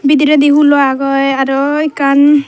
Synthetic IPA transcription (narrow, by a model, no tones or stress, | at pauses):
bid̪iɾɛd̪iɦulɔaɡɔjaɾɔikan